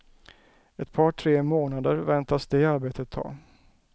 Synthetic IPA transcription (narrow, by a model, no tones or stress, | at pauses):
ɛt̪pʰɑːʈʰɾeːmoːnad̪əɾvɛnt̪asd̪eaɾbeːt̪ʰət̪ʰːɑ̰ː